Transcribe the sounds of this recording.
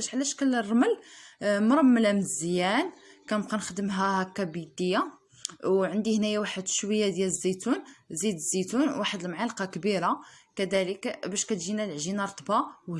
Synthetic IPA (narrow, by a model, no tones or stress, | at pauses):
æʃʕlæʃkələrˤːɑməlmɾˤɑmːəlæməzːjænkænbqænəxd̪əmɦæhækːæbid̪əjːa | wʕənd̪ihnæjawaħəd̪ʃwəjːad̪jæləzːæt̪unzid̪əzːit̪unwaħəd̪əlmʕalqɑkbiɾakæd̪æləkbæʃkæt̪ʒinælʕʒinɑɾˤt̪ˤbɑw